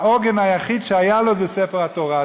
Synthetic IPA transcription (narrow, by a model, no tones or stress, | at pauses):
oɡenajaχid̪ʃeajalozesefeʁhat̪oʁa